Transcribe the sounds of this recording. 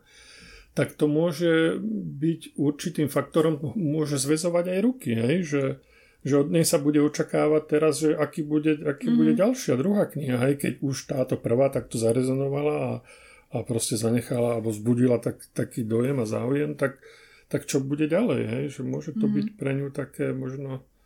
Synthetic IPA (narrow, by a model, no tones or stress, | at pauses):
t̪akt̪ɔmʊɔʒɛbiɟuɾt͡ʃit̪iːmfak̚t̪ɔɾɔmmʊɔʒɛzʋɛzɔʋaɟajɾukiɦɛjʒɛ | ʒɛɔd̪ɲɛjsabuɟɛɔt͡ʃakaːʋac̚t̪ɛɾazʒɛʔakiːbuɟɛakiːbuɟɛɟalʃɪad̪ɾuɦaːkɲiɦaɦɛjkɛ̰ɟuʃt̪aːt̪ɔpr̩ʋaːt̪ak̚t̪ɔzaɾɛzɔnɔʋalaa | apɾɔscɛzaɲɛxalaːlbɔzbuɟilat̪akt̪akiːd̪ɔjɛmaza̰ːujɛmt̪ak̚ | t̪akt͡ʃɔbuɟɛɟalɛ̰jɦɛjʒɛmʊɔʒɛt̪ɔbicpɾɛɲut̪akɛːmɔʒnɔ